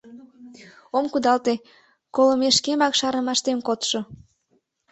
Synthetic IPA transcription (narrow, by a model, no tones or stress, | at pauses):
omkud̪ɑlt̪e | koləmeʃkemɑkʃɑrnə̆mɑʃt̪emkot̪ʃo